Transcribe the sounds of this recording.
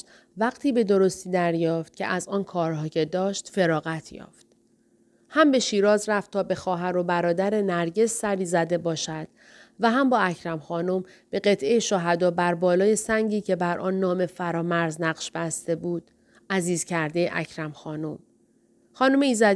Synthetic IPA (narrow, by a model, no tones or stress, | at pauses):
væɢt̪ʰiːbe̞d̪o̞ɾo̞st̪iːd̪æɾjɒːft̪̚cʰḛʔæzɒːnkʰɒːɾɦɒːcʰe̞d̪ɒːʃt̪fe̞ɾɒːɣæt̪ʰjɒ̰ːft̪ | hæmbe̞ʃiːɾɒːzɾæft̪ːʰɒːbe̞xɒːɦæɾo̞bæɾɒːd̪æɾe̞næɾɟesːæɾiːzæd̪e̞bɒːʃæd̪̥ | væɦæmbɒːæcʰɾæmxɒːnom | b̥e̞ɢe̞t̪ʰʔe̞jeʃoɦæd̪ɒːbæɾbɒːlɒːje̞sæŋɟiːcʰe̞bæɾʔɒːnːɒːme̞fæɾɒːmæɾznæɣʃbæst̪e̞buːd̪̥ | æziːzcʰæɾd̪e̞jḛʔæ̰cʰɾæmxɒːnom | xɒːnomeiːzæ